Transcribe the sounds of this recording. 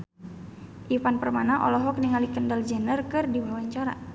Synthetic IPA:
ʔifanpərmanaʔɔ̰lɔɦɔk̚niŋalikəndald͡ʒənərkɨrdiwawaɲt͡ʃaɾa̰

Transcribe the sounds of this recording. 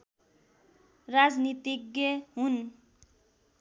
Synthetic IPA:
rad͡znit̪iɡjeɦun

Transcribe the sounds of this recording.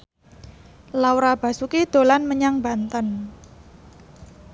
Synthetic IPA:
lauɾab̥ä̤sukid̪̥o̤lanməɲaŋbant̪ən

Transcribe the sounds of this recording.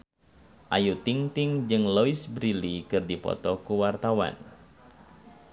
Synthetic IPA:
ʔajut̪iŋt̪ɪŋd͡ʒɨŋloisbɾilikɨrdipɔ̰t̪ɔkuwart̪awa̰n

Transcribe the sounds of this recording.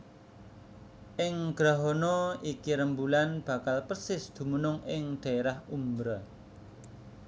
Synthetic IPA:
ʔɪŋɡ̥ɾaɦonɔikiɾəmbulanb̥a̤kalpərsɪsd̪̥ṳmunʊŋɪŋd̪̥a̤eɾahumbɾɔ

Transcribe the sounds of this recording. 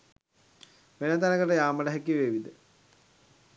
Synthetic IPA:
ʋenət̪anəkəʈəjaːməʈəɦekːiʋeʋid̪ə

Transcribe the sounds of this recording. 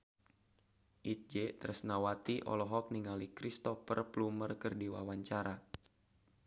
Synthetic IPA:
ʔit̪̚d͡ʒɛt̪ɾəsnawat̪iʔɔ̰lɔɦɔk̚niŋalikɾist̪ɔfərplumərkərdiwa̰waɲt͡ʃaɾa

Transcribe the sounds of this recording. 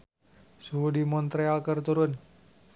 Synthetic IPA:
suɦudimɔnt̪ɾealkərt̪uɾʊn

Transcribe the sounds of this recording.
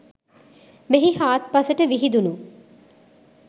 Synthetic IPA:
meɦihaːt̪̚pasəʈəʋiɦid̪unu

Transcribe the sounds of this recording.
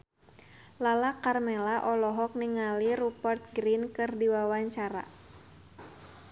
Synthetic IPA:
lalakarmɛlaʔɔlɔɦɔk̚niŋaliɾupərt̪̚ɡɾinkɨrdiwawaɲt͡ʃaɾa̰

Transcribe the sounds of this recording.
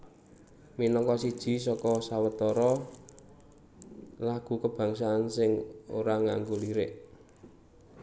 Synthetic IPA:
minɔŋkɔsid̥ʒ̥i̤sɔkɔsawət̪ɔɾɔ | laɡ̥ṳkəb̥ä̤ŋsaːnsɪŋo̰ɾaŋaŋɡoliɾɪʔ

